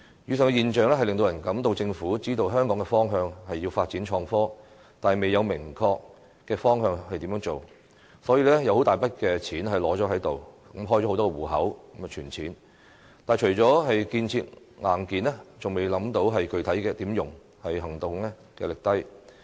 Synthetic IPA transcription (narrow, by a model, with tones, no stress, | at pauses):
jyː˨˧s̬ɪ˨˩ŋkɛ˧jiː˨nt͡ʃœː˨ŋlɛ˥ɐ˨jlɪ˨ŋt̪o˧wjɐ˨˩nkɐ˨˥mt̪o˧wt͡sɪ˧ŋfuː˨˥t͡siː˥t̪o˧wɦœː˥ŋkɔː˨˥ŋkɛ˧fɔː˥ŋɦœː˧ŋhɐ˨jːi˧wfaː˧t̚t͡siː˨˥nt͡ʃʰɔː˧ŋfɔː˥ | t̪aː˨˩me˨jːɐ˨˧wmɪ˨˩ŋkʰɔː˧k | kːɛː˧fɔː˥ŋɦœː˧ŋhɐ˨jt̪iː˨˥mœː˨˥ŋt͡so˨w | sɔː˨˥jiː˧lɛː˥jɐ˨˧who˨˥wt̪aː˨jpɐ˥t̚kɛː˧t͡sʰiː˨˥nɦɐ˨˩jlɔː˨˥t͡ʃɔː˨˥ɦɐ˨˥jt̪o˨w | mɦɔː˥jɔː˨˥˧wt̪ɔː˥˧wuː˨˩ɦɐ̰˨˥wkm˨t͡ʃʰyː˨˩nt͡sʰiː˨˥n | t̪aː˨˩jt͡ʃʰɵ˨˩jt͡sɔː˨˥ɦɐ˨jkiː˧nt͡sʰiː˧t̚ | ŋaː˨˩nkiː˨nlɛ˥t͡sʊ˨ŋme˨˧jlɐ˨˥mt̪o˨˥wɦɐ˨jkɵ˨˧ɥt̪ʰɐ˨˥jkɛː˧t̪iː˨˥mjʊ˨˩ŋ | hɐ˨jɦɐ˨˩ŋt̪ʊ˨ŋlɛ˥ | kɛ̰ː˧lɪ˨˩k̚t̪ɐ˥j